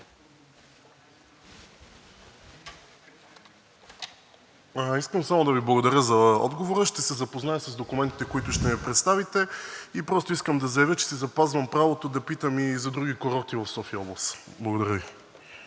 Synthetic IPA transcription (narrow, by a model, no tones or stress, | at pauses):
iskəmsamod̪ɐviblˠɡod̪ɐɾʲəzɐɔ̰d̪ɡovoɾəʃt̪ɛsɛzɐpoznajəsəzd̪okʊmɛnt̪i̥t̪ɛkoit̪ʊʃt̪ɛvipɾɛt̪st̪avit̪ɛipɾɔst̪oiskəmd̪ɐzɐjɐvjət͡ʃɛ̥sizɐpazvɐmpɾavot̪od̪ɐpit̪əmizɐd̪ɾuɡikoɾɔt̪ivɐfsɔfiəɐɔblˠɐs | blˠɐɡod̪ɐɾʲjəvi